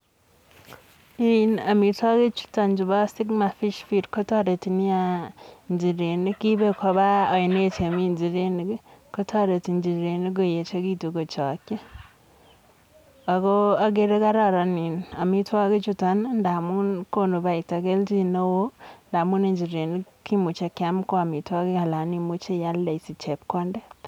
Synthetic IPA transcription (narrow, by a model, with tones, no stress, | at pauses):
i˦na˨mi˨tɔ˦ɡe˦t͡ʃu̥˦ta˨nd͡ʒu˨ba˦si˦kma˨fi˦ʃfi˨ɾko˦tɔ˦ɾe˨ti˨ni˦ja | nd͡ʒi˨ɾe˨ni˦ki˦be˦kʰɔ˦ba˦ɔ˨ne˦t͡ʃe˨mi˦nd͡ʒi˨ɾe˦n˦ɡko˦tʰɔ˦ɾe˨ti˨nd͡ʒi˨ɾe˨ni˦ɡ̬o˦je˨t͡ʃo˦ɡi˦tu˨ɡo˨t͡ʃɔ˨kːe˦ | a˨ɡo˦a˦ɡe˦ɾe˦ka˦ɾa˦ɾa˨ni˨na˨mi˦twa˦ke˦t͡ʃu˦ta˨˦nnda˨mu˦nko˦no˨βa˨i˨ta˨ke˦ld͡ʒi˦no˦wo˦nda˨mu˦ne˦ɲd͡ʒi˨ɾe˨ni˦ki˦mu˨t͡ʃe˨kja˦m˦ko˦a˨mi˨twa˦ke˦ka˨la˨˦ni˦mu˦t͡ʃe˦ja˦le˨i˨si˨t͡ʃe˨p̚ko˦nde˦